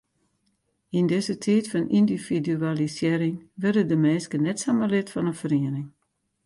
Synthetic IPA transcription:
indɪzətʰiːtfɔnindividyalisjeəɾɪŋʋɛrdədəmɛːskənɛtsaməlɪtfɔnənfəriənɪŋ

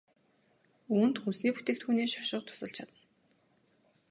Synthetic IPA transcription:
uːnt̪xunsniːpu̥t̪eːkt̪xuːneːʃɔʃʊ̆q̚t̪ʰʊ̥sə̆ɬt͡ɕʰat̪ə̆n

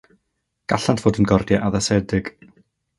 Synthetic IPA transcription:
ɡ̥aɬantʰv̥oːdənɡɔrdjaʔaðasɛdɪɡ̥

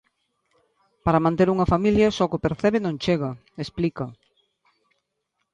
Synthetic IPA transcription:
paɾɐmãnt̪eɾuŋɐfamiljɐsɔkopeɾθɛβɪnõŋt͡ʃeɣɐ | esplikɐ

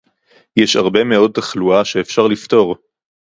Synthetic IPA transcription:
jɛʃa̰ʁbe̞me̞o̞d̚t̪aχluaʃe̞ːfʃaʁlift̪o̞ʁ

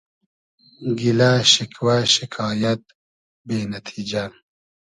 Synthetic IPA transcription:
ɡilaʃikʰwaʃikʰɑːjɐt̪̚ | beːnɐt̪ʰiːd͡ʒa

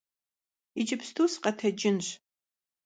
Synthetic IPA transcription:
it͡ʃʼɪpstʰuːsqɐtʰɐd͡ʒʼɪnɕ

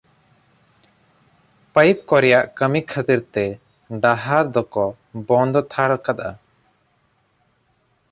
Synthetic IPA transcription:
pəjp̚kɔɾɛjaʔkəmikʰət̪iɾt̪ɛ | ɖaɦaɾd̪ɔkɔ | bɔ̃nd̪ɔt̪ʰaɽkat̪̚a̰

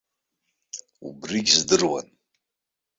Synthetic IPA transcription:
ṵbriɡʲzdɨrwa̰n

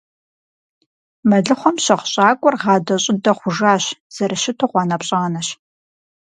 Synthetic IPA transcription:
mɐɮɨχʷɔmɕɐʁʷɕʼaːkʷʼɔrʁɑːdɐɕʼɪdɐχʷʊʒaːɕz̥ɐrɐʃɪtʰoʁʷɑːnɐpɕʼɐʁɐnɐɕ

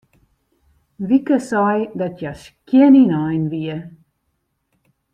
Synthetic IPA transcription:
ʋikəsɑjdɔtʰjas | kininajnʋiə

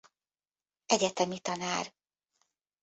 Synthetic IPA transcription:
ɛɟɛt̪ɛmit̪ɒnaːɾ

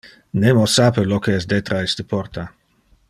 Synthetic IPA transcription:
nemosapelɔkeɛs̬d̪et̪ɾaɛst̪əpɔrt̪ʰa

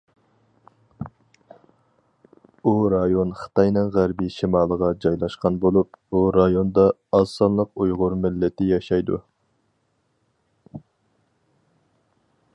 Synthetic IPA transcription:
uɾɑjonχə̥t̪ɑjnɨŋʁæɾbɪʃimɑːlˠəʁɑd͡ʒɑjlˠɑʃqɑnbolˠup̚buɾɑjond̪ɑɑsɑnlˠəqujʁʊɾmɪlːɪt̪ʰɪjɑʃɑjd̪ṵ

